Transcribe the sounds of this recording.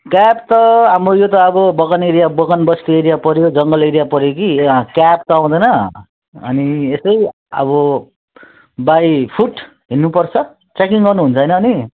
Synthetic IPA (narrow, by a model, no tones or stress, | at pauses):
kapt̪ʌɦamrojot̪ʌːbʌbʌɣʌneɾijabʌɡʌnbʌsk̪ieɾijapʌɾjod͡zʌŋɡʌleɾijapʌɾjokikap̚t̪ʌãw̃d̪ʌjnʌ | ʌ̰niesʌj | ʌ̰bʌ | bajpʰuʈ | ɦinːupʌrt͡sʰʌ | t͡sekiŋɡʌrnuɦunt͡sʰʌɦjnʌːni